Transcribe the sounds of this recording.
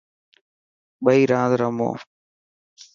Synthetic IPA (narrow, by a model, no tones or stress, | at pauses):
ɓəiːɾãːd̪ɾəmo̰ː